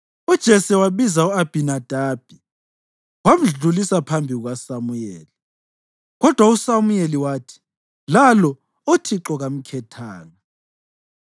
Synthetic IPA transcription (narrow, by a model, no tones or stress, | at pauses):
ud̥ʒ̥ʱɛsɛwaβizauab̥ʱinad̥ʱaːb̥ʱi | wam̩ɮulisapʰambʱiɣuɣwasamujeːli | ɣɔd̥ʱwausamujeliwaːtʰi̥ | lalɔ | otʰiǁɔɣam̩kʰɛtʰaːŋa